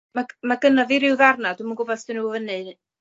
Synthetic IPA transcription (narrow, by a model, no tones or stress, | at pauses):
mamaɡənaviɾɪwðarnaduməŋɡʊbɔθd̥ɨnuvənɨ